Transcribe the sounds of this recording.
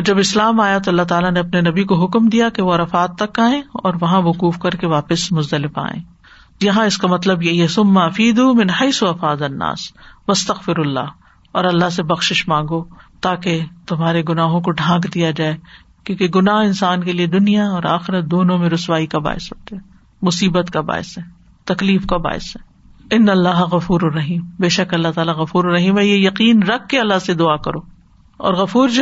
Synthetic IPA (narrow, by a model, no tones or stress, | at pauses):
ɔːɾd͡ʒɐbɪslaːmaːjat̪oɐlːaɦt̪aːlanẽɐpnenɐbikoɦʊkmd̪ijakeʋoɾɐfaːt̪ːɐkːaːẽːɔ̰ːɾʋɐɦãʋʊquːfkɐɾkeʋaːpɪsmʊzd̪ɐlɪfa̰ːḛ̃ː | jɐɦãɪskamɐt̪ləbjeɦɛsʊmːaɐfiːd̪umɪnhɐɪsuɐfaːd̪ɐnːa̰ːsʋɐst̪ɐɣfɪɾɐlːa̰ː | ɔːɾɐlːaɦs̬ebɐxʃɪʃmãːŋɡot̪aːket̪ʊmɦaːɾeɡʊnaːɦõkoɖʱãːkd̪ijad͡ʒaːe | kjõːkeɡʊnaːɦɪnsaːnkelied̪ʊnijaɔːɾa̰ːxɪɾət̪̚d̪oːnõmẽɾʊswaːikaba̰ːɪ̰sɦo̰ːt̪eɦɛː | mʊsiːbət̪kaba̰ːɪ̰sɦɛː | t̪ɐkliːfkaba̰ːɪsɦɛː | ɪnːɐlːaːɦɣɐfuːɾrɐɦiːmbeːʃɐkɐlːat̪aːlaɣɐfuːɾɾɐɦiːmɛjejɐqiːnɾɐkʰːeɐlːased̪ʊakɐɾoː | ɔ̰ːɾɣɐfuːɾd͡ʒ